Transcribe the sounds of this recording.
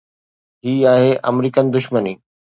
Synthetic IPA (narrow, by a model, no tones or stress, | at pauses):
ɦiːaːɦeʔɐ̰mɾiːkənɪ̆d̪ʊʃməniː